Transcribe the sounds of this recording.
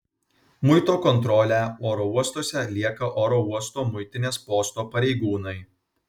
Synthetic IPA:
mʊɪt̪oːkɔnt̪ɾɔlʲæoːɾɔuɔst̪oːsʲɛlʲiɛkɐʔoːɾouɔst̪oːmʊɪt̪ʲɪnʲeːspoːst̪oːpɐɾʲɛɪɡuːnɐɪ

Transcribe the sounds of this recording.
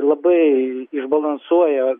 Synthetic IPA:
lˠɐbɨiʐbɐlˠɐnsujɛ

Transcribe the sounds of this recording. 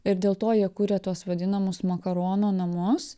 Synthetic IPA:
ɪɾd̪ʲeːlˠt̪oːjiɛkuːɾʲɛt̪uɔsʋɐd̪ʲɪnɐmʊsmɐkɐɾoːnoːnɐmʊs

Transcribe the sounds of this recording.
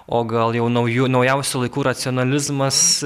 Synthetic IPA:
oːɡɐlˠjɛʊnɐʊjunɐʊjɛʊsʲulˠɐɪkuːɾɐt̪sʲɪoːnɐlʲɪzmɐs

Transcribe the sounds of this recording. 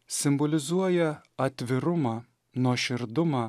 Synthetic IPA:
sʲɪmbolʲɪzuɔjɛ | ɐt̪ʲvʲɪɾʊmɑ | noʃʲɪrd̪ʊmɑ

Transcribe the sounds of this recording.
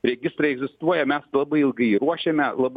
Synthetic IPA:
ɾʲɛɡʲɪst̪ɾɐɪɛɡzʲɪst̪uɔjɛmʲɛslˠɑbɐɪɪlˠɡɐɪiɾuɔʃʲɛmʲɛlˠɑb

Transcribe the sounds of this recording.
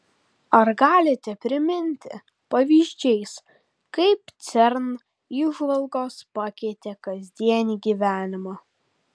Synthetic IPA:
ɐɾɡɑːlʲɪt̪ʲɛpʲɾʲɪmʲɪnʲt̪ʲɪ̰ | pɐʋʲiːʒʲd͡ʒʲɛɪs | kɐɪp̚t̪sʲɛɾn | iːʒʋɐlˠɡoːspɑkʲɛɪt̪ʲekɐzʲd̪ʲiɛnʲiːɡʲiːʋʲæːnʲɪmɑː

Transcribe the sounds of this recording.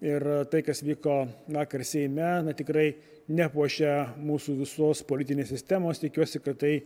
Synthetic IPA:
ɪrt̪ɐɪkɐsʋʲiːkoːʋɑːkɐrsʲɛɪmʲɛnɐt̪ʲɪkɾɐɪ | nʲæpuɔʃʲɛmuːsuːʋʲɪsoːspolʲɪt̪ʲɪnʲeːsʲsʲɪsʲt̪ʲæmoːst̪ʲɪkʲuɔsʲɪkɐtt̪ɐɪ

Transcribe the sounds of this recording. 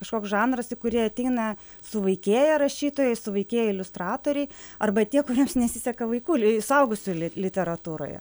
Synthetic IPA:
kɐʃkoːksʒɑːnɾɐsɪkʊɾʲiɛɐt̪ʲɛɪnɐ | sʊʋɐɪkʲeːjɛɾɐʃʲiːt̪oːjɛɪsʊʋɐɪkʲeːjɛɪlʲʊst̪rɑːt̪oːɾʲɛɪɐrbɐt̪ʲiɛkʊɾʲiɛmsnʲɛsʲɪsʲɛkɐʋɐɪkuːsɐʊɡʊsʲʊlʲlʲɪt̪ʲɛɾɐt̪uːɾo̰ːjɛ̰

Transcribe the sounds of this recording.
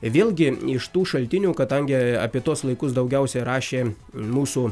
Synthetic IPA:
ʋʲeːlˠʲɡʲɪɪʃt̪uːʃɐlʲt̪ʲɪnʲuːkɐd̪ɐŋʲɡʲɪɐ̰pʲiɛt̪uɔslˠɐɪkʊsd̪ɐʊɡʲɛʊsʲɛɾɑːʃʲeː | muːsuː

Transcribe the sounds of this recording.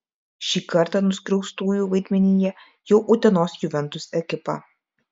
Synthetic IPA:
ʃʲiːkɐɾt̪ɑnʊskɾʲɛʊst̪uːjuːʋɐɪd̪ʲmʲɛnʲiːjɛ | jɛʊʔʊt̪ʲɛnoːsjʊʋʲɛnt̪ʊsɛkʲɪpɑ̰

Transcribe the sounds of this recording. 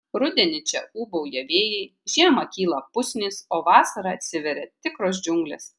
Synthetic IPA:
ɾʊd̪ʲɛnʲɪt͡ʃʲɛuːbɐʊjɛʋʲeːjɛɪ | ʒʲiɛmɐkʲiːlˠɐpʊsʲnʲiːsoːʋɑːsɐɾɐɐt̪ʲsʲɪʋʲɛɾʲɛt̪ʲɪkɾoːs̬d͡ʒʲʊŋɡlʲḛs

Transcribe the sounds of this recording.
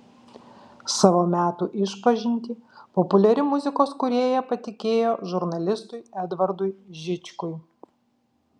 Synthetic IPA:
sɑːʋoːmʲæːt̪uʔɪʃpɐʒʲɪnʲt̪ʲiːpɔpʊlʲɛɾʲɪmʊzʲɪkoːskʊɾʲeːjɛpɐt̪ʲɪkʲeːjoːʒʊɾnɐlʲɪst̪ʊɪɛd̪ʋɐɾd̪ʊɪʒʲɪt͡ʃʲkʊɪ

